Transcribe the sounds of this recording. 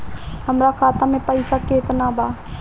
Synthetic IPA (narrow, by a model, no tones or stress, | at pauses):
həmɾakʰaːt̪amẽpəisaket̪nabaː